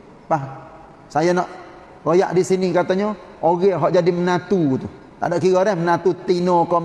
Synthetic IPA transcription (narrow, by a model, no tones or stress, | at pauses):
pah | sajanɔʔ | ɾoja̰ʔdisinikat̪aɲɔ | oɡɛɦɔʔd͡ʒadimənat̪ut̪u | t̪a̰dɔʔkiɡoɾɛhmənat̪ut̪inokɔ